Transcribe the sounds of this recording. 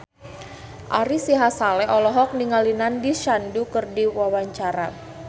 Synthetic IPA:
ʔaɾisiɦasalɛɔlɔɦɔk̚niŋalinandiʃandukərdiwawaɲt͡ʃaɾa

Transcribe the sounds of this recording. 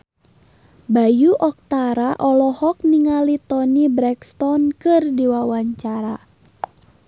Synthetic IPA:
bajuʔɔk̚t̪aɾaʔɔlɔhɔk̚niŋalit̪ɔnibɾɛkst̪ɔnkɨrdiwawaɲt͡ʃaɾa

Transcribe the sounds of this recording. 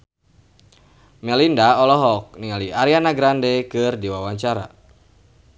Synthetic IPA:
mɛlindaɔlɔɦɔk̚niŋaliaɾianaɡɾandɛkɨrdiwawaɲt͡ʃaɾa̰

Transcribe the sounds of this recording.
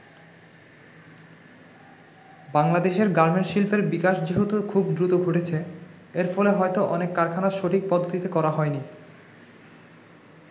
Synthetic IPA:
baŋlad̪eʃeɾɡaɾmeɳʈʃilfeɾbikaʃd͡ʑiɦut̪okʰubd̪ɾut̪oɡʱoʈet͡ɕʰe | eɾfɔleɦɔet̪oʔɔnekːaɾkʰanaʃoʈik̚pɔd̪ʱːot̪it̪ekɔɾaɦɔeni

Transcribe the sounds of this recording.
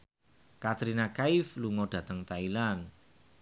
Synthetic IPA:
kat̪ɾinakaifluŋɔɖ̥ä̤t̪əŋt̪ailan

